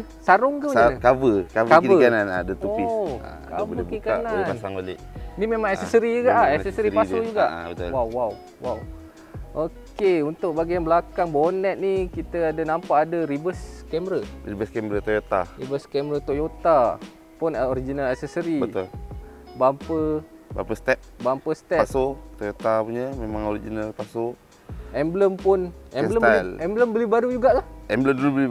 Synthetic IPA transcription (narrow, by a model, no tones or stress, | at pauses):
saɾʊŋkəkabəkabkaəananadət̪upia̰kaadbkikanaipansaŋolḛhnimemaŋɛsəsəɾiuɡaʔaɛsɛsəɾipaʊd͡ʒuɡaʔbət̪lwawːaw | waw | ʔokeunt̪ʊk̚baɡijanbəlakaŋbonɛt̪̚nikit̪əadənampaʔːdəɾibəskɛmɾəribəskɛmɾət̪ojot̪a̰ɾibəskɛmɾət̪ojot̪a | pʊnoɾid͡ʒinalɛksəsəɾibət̪ʊ̰lbampəba̰mpəst̪ɛp̚bampəst̪ɛasot̪ojot̪apuɲəmemaŋoɾid͡ʒinalpaso | ɛmbləmpʊnɛləmalɛmbləmbəlibaɾud͡ʒuɡaʔkahɛmbləmdulubəli